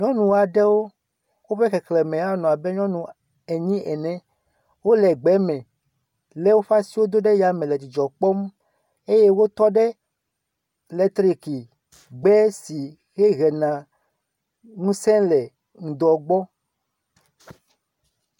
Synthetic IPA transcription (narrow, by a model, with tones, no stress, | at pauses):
ɲɔ̃˦nũ˨a˨ɖɛ˦wo˦ | wo˦ɸe˦kɛ˨klɛ˨mɛ̃˨a˦nɔ̃˨a˨bɛ˦ɲɔ̃˦nũ˨ | e˨ɲĩ˦ʔɛ˨nɛ̃˦ | wo˦lɛ˨ɡ͡bɛ˨˦mɛ̃˨ | lɛ˦wo˦ɸa˦si˦wo˦d̪o˦ɖɛ˦ja˨mɛ̃˨lɛ˨t̪i˨d͡ʒɔ˨k͡pɔ˦m | e˦je˦wo˦t̪ɔ˦ɖɛ˦ | lɛ˦t̪ɾi˦ki˨ | ɡ͡bɛ˦si˨ | xɛ˦ɣɛ˨nã˨ | ŋũ˦sɛ̃˦lɛ˨ | ŋ̩̃˨d̪ɔ˨ɡ͡bɔ˦